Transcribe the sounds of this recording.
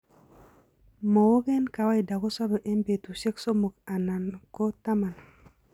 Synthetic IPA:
mo˨wo˦ɡe˦nka˨wa˦i˨da˨ko˦sa˦be˨ʔe˦mbe˨tu˨ʃe˦kso˦mo˨ka˨na˨nko˦ta˦ma˨na˨

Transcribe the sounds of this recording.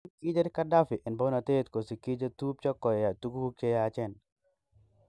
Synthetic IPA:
nki˦d͡ʒa˦ɾɪ˦ka˦da˦fɪ˨ʔɪ˨nbo˦na˨t̪e˦t̪ko˨si˨ki˦d͡ʒa˦t̪u˦p̚t͡ʃɔ˦kːɔ˨jja˨t̪u˦ɡu˦u˦kt͡ʃe˦ja˨t͡ʃɛ˦n

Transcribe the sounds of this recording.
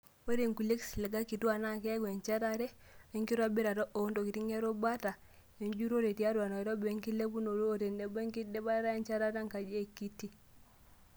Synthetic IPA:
wo˦ɾe˨ŋku˨le˦ksi˨le˨ɡa˦ki˨twa˨na˦kɛ˦ɡe˨ɲt͡ʃa˦ɾa˦ɾɛ˦ | e˦ŋki˦ɾwa˦bi˦ɾa˨ɾɔ˦ʔo˨˦ndo˨ki˨ti˦ŋe˦ɾo˦ba˦ta˨ | e˨ɲd͡ʒu˦ɾo˦ɾe˨ti˨a˦ɾwa˨na˨i˨ɾo˦be˦ŋki˦le˦bu˦no˨ɾoː˦˨te˨nde˨be˦ŋki˦de˦ba˦ɾa˦e˦ɲt͡ʃa˦ɾa˦ta˦ŋka˨d͡ʒe˦˨ki˦tːi˦

